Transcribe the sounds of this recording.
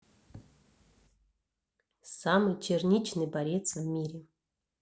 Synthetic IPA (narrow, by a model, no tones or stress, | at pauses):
samɨjt͡ɕernʲit͡ɕnɨjbaɾʲet̪svʲmʲiɾʲɪ